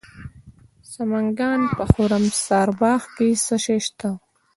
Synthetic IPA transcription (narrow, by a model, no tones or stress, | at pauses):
sɐmɐŋɡɑːnpəxoɾɐmsɑːɾbɑːxkesɐʃeʃt̪a